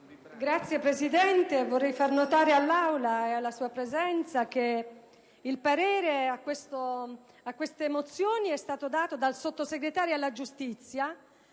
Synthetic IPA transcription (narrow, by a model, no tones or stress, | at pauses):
ɡɾat̪sːjepɾezid̪ɛnt̪evorːɛjfarnot̪aːɾealːawlaealːasuːapɾezɛnt̪sak̟e | ilpaɾɛːɾeakːwest̪o | akːwest̪emot̪sjoːniɛst̪aːt̪od̪aːt̪od̪alsot̪ːoseɡɾet̪aːɾjoalːad͡ʒust̪it̪sja